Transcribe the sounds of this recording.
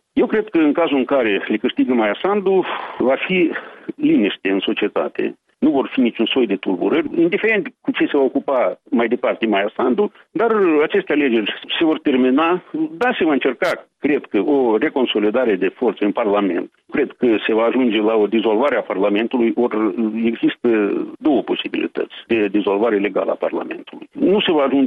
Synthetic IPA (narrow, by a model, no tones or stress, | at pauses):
je̞wkɾe̞d̪̚kəɨŋkazuɨŋkaɾe̞lekɨʂt̪iɡəmajasand̪uvafiliniʃt̪eɨnso̞t͡ʃie̞t̪a̰t̪e̞̰ | nuvo̞rfinit͡ʃunso̞jd̪e̞t̪urbṵɾərʲind̪ife̞ɾe̞nt̪kut͡ʃese̞vaokupamajd̪e̞part̪emajasand̪u | d̪arat͡ʃe̞st̪eale̞d͡ʒe̞rʲse̞vo̞rt̪e̞rminad̪ase̞vaɨnt͡ʃe̞rkakɾe̞d̪kəʔore̞ko̞nso̞lid̪aɾe̞d̪e̞fo̞rt̪səɨnparlame̞̰nt̪kɾe̞d̪kəse̞vaːʒund͡ʒe̞lao̞d̪izo̞lvaɾeaparlame̞nt̪ulujore̞ɡzist̪əd̪o̞wəpo̞sibilḭt̪ə̰t̪sʲd̪e̞d̪izo̞lvaɾele̞ɡaləa̰pa̰rla̰me̞̰nt̪ulujnuse̞vaːʒund͡ʒ